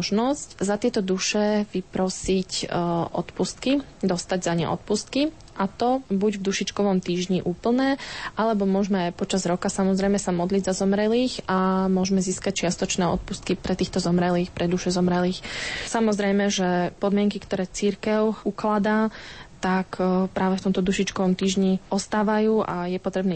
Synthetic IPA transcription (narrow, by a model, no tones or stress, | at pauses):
ʒnɔzczat̪ɪɛt̪ɔd̪uʃɛʋipɾɔsicʔɔ̰t̪pust̪̚kid̪ɔst̪aɟzaɲɛ̰ʔɔ̰t̪̚pust̪̚ki | ʔat̪ɔbuɟvd̪uʃit͡ʃkɔʋɔmt̪iːʒɲiʔuːpl̩ˠnɛːʔalɛbɔmʊɔʒmɛajpɔt͡ʃazɾɔkasamɔzɾɛjmɛsamɔd̪liɟzazɔmɾɛliːxamʊɔʒmɛziːskac̚t͡ʃɪast̪ɔt͡ʃnɛːɔ̰t̪̚pust̪kipɾɛt̪iːxt̪ɔzɔmɾɛliːxpɾɛd̪uʃɛzɔmɾɛliːxsamɔzɾɛjmɛʒɛpɔd̪mɪɛŋkikt̪ɔɾɛːt͡siɾkɛʊuklad̪aːt̪akpɾʔaːʋɛft̪ɔmt̪ɔd̪uʃit͡ʃkɔʋɔmt̪iːʒɲiɔst̪aːʋajuːʔa̰jɛpɔt̪ɾɛbniː